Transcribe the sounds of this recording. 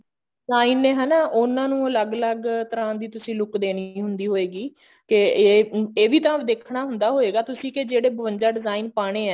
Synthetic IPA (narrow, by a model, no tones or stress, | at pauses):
ɪzaːiːnẽːɦɛːnaːʔʊnãːnũːələɡələɡt̪əɾãːd̪iːt̪ʊsĩːlʊkd̪eːniːɦʊnd̪iːɦoːeːɡiː | kɪ | eːʋiːt̪ãːʋd̪eːkʰɽaːɦʊnd̪aːɦoːeːɡaːt̪ʊsĩːked͡ʒeːɽeːbəʋənd͡ʒaːɖɪzaːiːnpaːɽ̃eːɛː